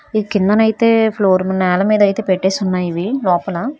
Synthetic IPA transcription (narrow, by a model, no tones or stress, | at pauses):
id̪ikind̪ɐnɐjit̪e̞ːpʰlo̞ːɾmɐnːɛːlɐmiːd̪ɐjt̪e̞ːpeʈːeːsunːaːjiʋilɔːpɐlɐ